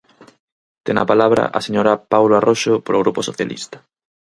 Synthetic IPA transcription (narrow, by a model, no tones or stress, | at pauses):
t̪eŋa̰palaβɾa̰ʔaseɲoɾapawloarʔoʃopoɾoɣɾuposoθjalḭst̪ɐ̥